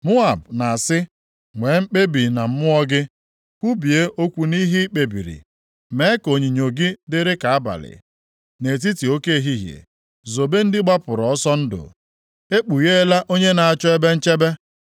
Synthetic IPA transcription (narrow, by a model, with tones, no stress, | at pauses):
mʊ˦a˨bna˨a˨sɪ˦ | ŋʷe˨˦ŋ͡m̩˦k͡pe˦bi˨na˨m̩˦mʊ˦ɔ˦ɡɪ˦ | kʷu˦bi˨e˦ʔo˦kʷu˨ni˦ɦi˦i˦k͡pe˨bḭ˨ɾḭ˨ | me˦ko˨ɲi˨ɲo˨ɡi˦dɪ˦ɾɪ˦ka˨a˦ba̰˨lɪ̰˨ | ne˨t̬i˦ti˨o˦ke˦˨ɦi˦ɦjḛ˨ | zo˨be˦n̩˦dɪ˦ɡ͡ba˦pʊ˨ɾɔ˨ɔ˦sɔ˦n̩˦dʊ̰˨ | e˦k͡pu˨je˦e˦la˦ʔo˦ɲe˦na˨a˨t͡ʃɔ˦e˦be˦n̩˦t͡ʃe˦be˦